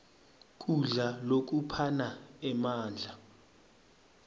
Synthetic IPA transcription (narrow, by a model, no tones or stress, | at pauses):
k̬ʼuɮalok̬upʰanaɛmaːnd͡ɮʱa